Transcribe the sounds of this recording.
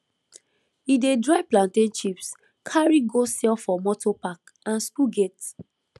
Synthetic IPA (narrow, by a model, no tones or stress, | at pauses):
idedɹaɪplãntẽnt͡ʃips | kʰaɹiɡosɛlfɔmɔtopak | ãnskuɡet